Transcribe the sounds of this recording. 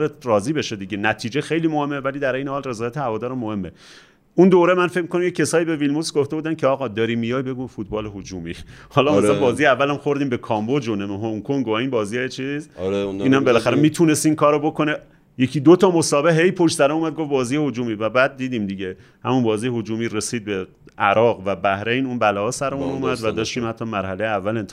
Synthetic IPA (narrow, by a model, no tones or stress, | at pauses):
ɾet̪rɒːziːbeʃed̪iɟenæt̪ʰiːd͡ʒexe̞jliːmohe̞mːevæliːd̪æɾʔe̞jnehɒːlre̞zɒːjæt̪ʰehævɒːd̪ɒːɾæmːohe̞mːe | und̪oːɾemænfec̚ʲmikonæmjecʰːesɒːjiːbe̞vilmusɡoft̪euːd̪æncʰeɒːɣɒːd̪ɒːɾimːijɒjbe̞ɡufut̪̚bɒːleɦod͡ʒuːmḭhɒːlɒːmæsæbɒːzijeævːælæmxo̞ɾd̪iːmbekʰɒːmbod͡ʒonemeɦoŋkʰoŋɡoiːnbɒːzijɑjet͡ʃʰizɾiːnæmbelæxæɾemiːt̪ʰunesiːnkʰɒːɾobokʰone | jecʰiːd̪ot̪ʰɒːmosɒːbeɦe̞jpʰoʃt̪sæɾæmuːmæd̪̚ɡofbɒːziːjehod͡ʒuːmiːvæbæd̪̚ːiːd̪imd̪iɟe | hæmunbɒːziːjehod͡ʒuːmiːresiːd̪̚be | ʔæɾɒːɣvæbæhɾe̞jnunbælɒːɒːsæɾemunuːmæd̪væd̪ɒːʃt̪iːmhæt̪ʰːɒːmæɾhælejeævːælent̪ʰ